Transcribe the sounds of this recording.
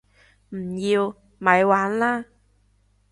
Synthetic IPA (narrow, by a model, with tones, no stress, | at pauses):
m̩˨˩jiː˧w | mɐ˨˧˥jwaː˨˥nlaː˥